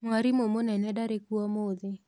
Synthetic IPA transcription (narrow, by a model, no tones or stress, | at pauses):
ŋwaɾimomonɛnɛdaɾekwɔmod̪ɪ